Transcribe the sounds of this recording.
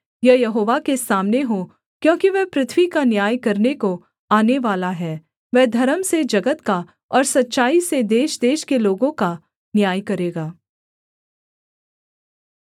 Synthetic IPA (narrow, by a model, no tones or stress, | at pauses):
jɐjɐɦoːʋakesaːmneɦo | kjõːkiʋɛːpɾɪt̪ʰʋwikanjaːjkɐɾneko | aːneʋaːlaɦɛː | ʋɛːd̪ʱɐɾəmsed͡ʒɐɡət̪ka | ɔːɾsɐtːʃaːised̪eːʃd̪eːʃkeloːɡõka | njaːjkɐɾeːɡaː